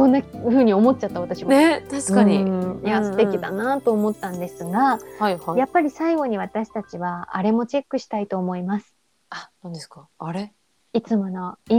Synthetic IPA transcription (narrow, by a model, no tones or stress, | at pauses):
kõnːaɸɯ̟ːɲ̟io̞mo̞tt͡ɕat̪ːaβat̪aɕimaet̪aɕkaɲijasɨ̥t̪e̞kʲid̪a̰nat̪o̞ːmo̞t̪ːãnd̪e̞sɨɡahahjapːaɾʲisaiɡo̞ɲ̟iβ̞at̪aɕi̥t̪at͡ɕiβa̰ːɾe̞mo̞t͡ɕe̞kːɯ̟ɕi̥t̪ait̪o̞ːmo̞imasɨ̥ | anãnd̪esɨ̥kaːɾe | it͡sɨmo̞noi